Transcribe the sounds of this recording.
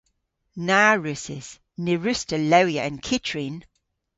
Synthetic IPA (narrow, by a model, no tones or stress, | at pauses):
naːɹʉsɪz̥ | nɪɹʉstələʊjəʔə̃nkʰɪtʰɹin